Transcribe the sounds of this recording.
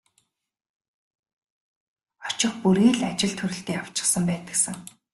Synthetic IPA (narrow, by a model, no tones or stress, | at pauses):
ɔt͡ɕɪ̆χpuɾiːɮat͡ɕɪ̆ɮt̪ʰɵɾɘ̆ɬt̪iːaw̥t͡ɕɪ̥̆χsə̆mpæːt̪ə̆ksə̆ŋ